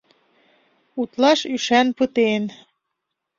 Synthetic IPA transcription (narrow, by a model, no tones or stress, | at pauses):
ut̪lɑʃyʃænpɤt̪en